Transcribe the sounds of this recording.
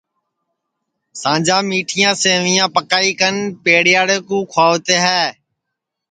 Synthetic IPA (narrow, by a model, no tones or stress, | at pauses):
sãːd͡ʒãːmiːʈʰijãːsẽːʋiːjãːpəkaːiːkənpeːɽɪjaːɽeːkũːkʰaːʋt̪eːɦɛː